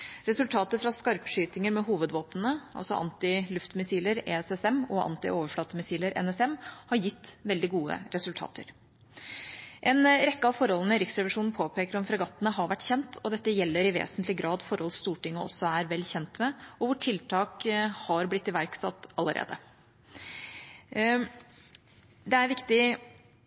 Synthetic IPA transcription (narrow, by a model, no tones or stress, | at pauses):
ɾɛsʉlt̪ʰɑːt̪əfɾɑskɑɾpʂyːt̪ɪŋəɾmɛɦuːʋəd̪ʋoːt̪n̩əʔɑ̰lsɔ̰ʔɑ̰nt̪ɪlʉft̪mɪsiːləɾḛːɛsɛsɛmɔʔɑ̰nt̪ɪ̰ʔoːʋəɾfɽɑːt̪əmɪsiːləɾɛ̰nɛsɛmhɑɾjɪt̪ːʋɛld̪ɪɡuːə̰ɾɛsʉlt̪ʰɑ̰ːt̪ʰə̰ɾ | ʔɛnɾɛkːəɑʋfɔɾhɔlən̩əɪɾɪksɾɛʋəʂuːn̩pʰoːpʰeːkəɾɔmfɾɑɡɑt̪ːənəɦɑɾʋæʈːçɛnt̪ʰɔd̪ɛt̪ːəjɛlːəɾɪʋḛːsənt̪lɪɡɾʔɑːd̪fɔɾhɔlsst̪uːʈɪŋːəʔɔ̰sːɔæɾʋɛlːçɛnt̪mɛɔʋʊʈʰɪlt̪ʰɑːkhɑɾblɪt̪ːɪʋæɾksɑt̪ːɑlːəɾʔḛːd̪ə | d̪ɛæɾʋɪkt̪ɪ